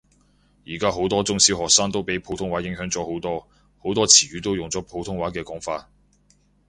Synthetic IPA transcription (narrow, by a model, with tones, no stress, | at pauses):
jiː˨˩kaː˥ɦo˨˥wt̪ɔː˥t͡sʊ˥ŋsi˥wɦɔː˨k̚saː˥ŋt̪o˥wpe˨˥jpʰo˨˥wt̪ʰʊ˥ŋwaː˨˥jɪ˨˥ŋɦœː˨˥ŋt͡sɔː˨˥ho˨˥wt̪ɔː˥ | ho˨˥wt̪ɔː˥t͡sʰiː˨˩ɥyː˨˥t̪o˥wjʊ˨ŋt͡sɔː˨˥pʰo˨˥wt̪ʰʊ˥ŋwaː˨˥kɛː˧kɔː˨˥ŋfaː˧t̚